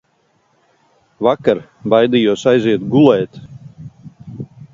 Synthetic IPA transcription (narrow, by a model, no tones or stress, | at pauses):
vakaɾ | bajd̪ijuɔsajziɛt̪ɡulˠɛːt̪